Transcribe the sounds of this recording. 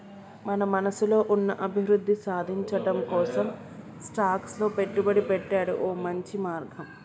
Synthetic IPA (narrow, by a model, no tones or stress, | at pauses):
mɐnɐmɐnɐsulo̞ːʔunːɐʔɐbʱiʋɾud̪ʱːisaːd̪ʱiɲt͡ʃɐʈɐmkɔːsɐm | sʈaːkslo̞ːpe̞ʈːubɐɽipɛʈːaːɽṵʔoːmɐɲt͡ʃimaːɾɡʱɐm